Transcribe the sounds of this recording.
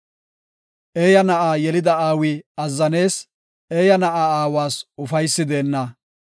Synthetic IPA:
ʔeːjɐnɐʔaːjɛlɪd̪ɐaːwiɐzːɐne̞ːs | eːjɐnɐʔaaːwaːsʊfɐjsːɪd̪e̞ːnːɐ

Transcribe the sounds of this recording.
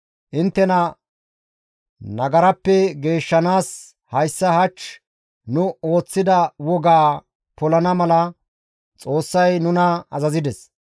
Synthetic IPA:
ʔɪnt̪ːɛnɐ | nɐɡɐɾɐpːɛɡe̞ːʃːɐnaːs | hɐjsːɐhɐt͡ʃ | nʊo̞ːt͡sːɪd̪ɐwɔɡaː | pɔlɐnɐmɐlɐ | t͡sʼo̞ːsːɐjnʊnɐɐzɐzɪd̪ɛs

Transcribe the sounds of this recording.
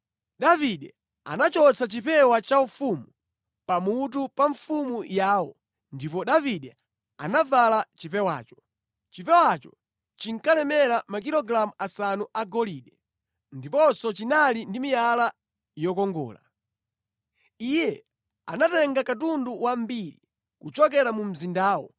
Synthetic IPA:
ɗaviɗɛ | a̰nat͡ʃɔt͡sʰat͡ʃipɛwat͡ʃaufumu | pamut̬upaɱfumujaːwɔ̰ | ndipɔɗaviɗɛ | a̰navalat͡ʃipɛwa̰ːt͡ʃɔ̥ | t͡ʃipɛwat͡ʃɔ | t͡ʃiŋ̩kalɛmɛɾamakilɔɡɾamuasanuʔaɡɔliɗɛ | ndipɔnsɔt͡ʃinalindimijala | jɔkɔŋɡɔ̰ːla̰ | ijɛ | anatɛŋɡakatunduwambiɾḭ | kut͡ʃɔkɛɾamum̩zindaːwɔ̰

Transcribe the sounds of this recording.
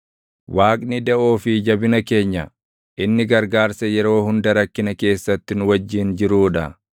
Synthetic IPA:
waːkʼnɪd̪ɐʔoːfɪd͡ʒɐbɪnɐke̞ːɲːɐ̰ | ʔɪnːɪɡɐɾɡaːɾsɐjɛɾo̞ːhʊnd̪ɐɾɐkːɪnɐke̞ːsːɐt̪ːɪnʊwɐd͡ʒːɪːnd͡ʒɪɾuːᶑɐ̰

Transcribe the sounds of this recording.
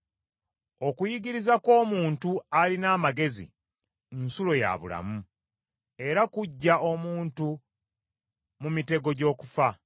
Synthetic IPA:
o̞kujiɡiɾizako̞ːmuːntualinaːmaɡe̞zḭ | nsulo̞ja̰βṵla̰mu | e̞ɾakuɟːao̞muːntu | mumite̞ɡo̞ɟo̞ːkufa

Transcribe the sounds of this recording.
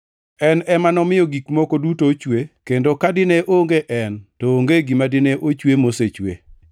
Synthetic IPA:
ɛnɛmanɔmɪjɔɡikmɔkodutot͡ʃwekendokadɪneʔoŋɡeʔɛntoːŋɡeɡimadɪneʔot͡ʃwemoset͡ʃwḛ

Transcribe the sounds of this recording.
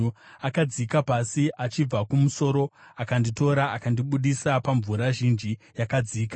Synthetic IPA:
akad͡zikapasiʔat͡ʃib͡vakumuso̞ːɾo̞akandito̞ɾaakandiɓuɗisapaɱvuɾaʒind͡ʒi | jakad͡ziːka

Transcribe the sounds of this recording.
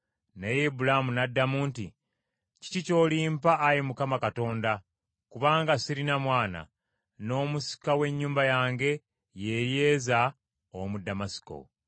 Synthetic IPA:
nejebulamunadːamuːnti | ci̥cico̞ːliːmpaʔːjimukamakato̞ːnda | kuβaːŋɡasiɾinamwaːna̰ | no̞ːmusi̥kawe̞ɲːuːmbajaːŋɡe̞ | je̞je̞ːza | omudːamasi̥ko̞̰

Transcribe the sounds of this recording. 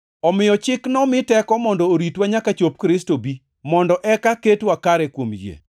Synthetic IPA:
ɔmɪjɔt͡ʃɪknɔmɪtɛkɔmɔndɔoɾitwaɲakat͡ʃop̚kɾɪstobi | mɔndɔʔɛkaketwakaɾɛkwomjḛ

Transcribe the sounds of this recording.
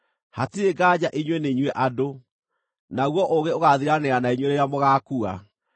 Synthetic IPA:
hatieɡaːd͡ʑaʔiɲwɛneɲwɛʔado | naɣwɔʔoɣeoɣaðiɾaneanaiɲweɾeɾamoɣakua

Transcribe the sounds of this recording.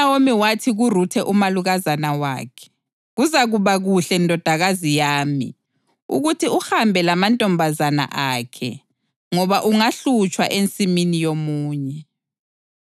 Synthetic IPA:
awomiwatʰiɣurutʰɛʔumaluɣazanawa̰ːkʰɛ̥ | ɣuzaɣuβaɣuɬɛndʱɔd̥ʱaɣazijaːmḭ | ṵɣutʰiuhambʱɛlamantʼɔmbʱazana̰ʔaːkʰɛ̰ | ŋɔβaʔuŋaɬut͡ʃʼwa̰ʔent͡sʼiminijomuːɲɛ

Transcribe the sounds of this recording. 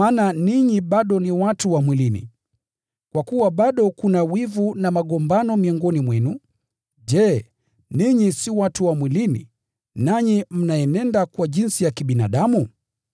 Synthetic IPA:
aːnaniɲiɓaɗɔniwatuwamwilinḭ | kwakuwaɓaɗɔkunawivunamaɠɔmbanɔmiɔŋɡɔnimwɛnu | ʄɛ | niɲisiwatuwamwilinḭ | naɲim̩najɛnɛndakwaʄinsijakiɓina̰ɗamu

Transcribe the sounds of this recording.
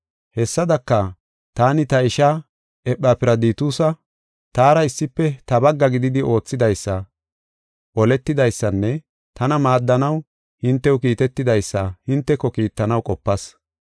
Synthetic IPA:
hɛsːɐd̪ɐkːɐ | t̪aːnɪt̪ɐɪʃa | ʔɛpːaːpɪɾɐd̪iːt̪uːsɐ | t̪aːɾɐɪsːɪpːɛt̪ɐbɐɡːɐɡɪd̪ɪd̪ɪʔo̞ːt͡sːɪd̪ɐjsːɐ | ʔɔlɛt̪ːɪd̪ɐjsːɐnːɛ | t̪ɐnɐmaːd̪ːɐnɐw | hɪnt̪ːɛwkiːt̪ɛt̪ːɪd̪ɐjsːɐhɪnt̪ːɛkːɔkiːt̪ːɐnɐwkʼɔpːɐs

